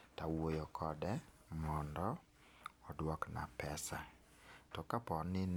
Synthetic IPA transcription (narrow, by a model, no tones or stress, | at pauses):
tawojɔkʰɔdɛ | mɔndɔː | dwɔkna̰pɛsa | tɔkapɔnɪn